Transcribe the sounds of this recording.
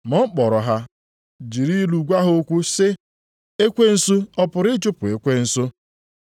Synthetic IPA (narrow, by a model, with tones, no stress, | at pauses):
mɔ˦k͡pɔ˨ɾɔ˨ɦa˦ | d͡ʒi˨ɾi˦lu˨ɡʷa˦ɦo˦kʷu˦sɪ˦ | e˦kʷe˦n̩˦su˦ɔ˦pʊ˨ɾɪ˦t͡ʃʊ˦pʊ˨e˨kʷe˦n̩˦sʊ˦